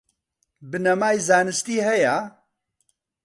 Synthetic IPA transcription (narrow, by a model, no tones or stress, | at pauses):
bɨnɐmaːjzaːnɨst̪iːɦɐja